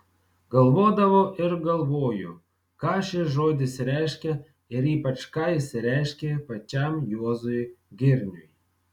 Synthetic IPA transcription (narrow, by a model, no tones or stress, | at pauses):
ɡɐlˠʋoːd̪ɐʋoʔɪɾɡɐlˠʋoːjʊ̰ | kɑʃʲeʒoːd̪ʲɪsʲɾʲæjʃʲkʲɛ | ɪɾiːpɐt͡ʃkɑjsʲɾʲæʃkʲepɐt͡ʃʲamjuɔzʊjɡʲɪɾʲnʲʊj